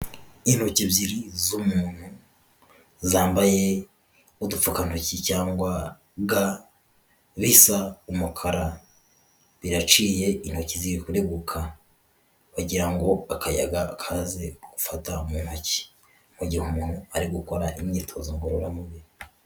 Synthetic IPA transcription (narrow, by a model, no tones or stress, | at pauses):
in̥hocibziɾizumuːn̥hu | zaːmbaje̞ | udufukanhocicaːŋɡwa | ɡa | βisaumukʰaɾa | βiɾat͡ʃiːje̞in̥hociziɾikuɾe̞ɡukʰa | βaɟiɾaŋɡo̞akʰaja̰ɡaːkʰazeɡ̥ufataumunhoci̥ | m̥uɟihumuːn̥huaɾiɡukoɾaʔimɲitʰoziŋɡoɾoɾamuβi